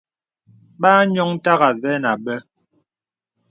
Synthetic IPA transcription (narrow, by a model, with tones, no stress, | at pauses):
ɓaː˦ɲɔ˦ŋ˦ta˦ɣa˨vɛ˦na˨ɓɛ˦